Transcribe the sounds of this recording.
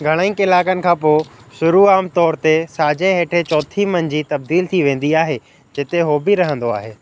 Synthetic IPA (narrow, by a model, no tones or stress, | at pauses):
ɡʱɐɽ̃aĩkɪlaːkənɪ̆kʰãːpoːʃʊɾuaːmt̪ɔːɾt̪esaːd͡ʑẽɦeːʈʰet͡ɕɔːt̪ʰimɐnd͡ʑiːt̪ɐb̚d̪iːlt̪ʰiʋẽːn̆d̪iaːɦe | d͡ʑɪt̪eɦoːbɪɾɐɦə̃nd̪oa̰ːɦeː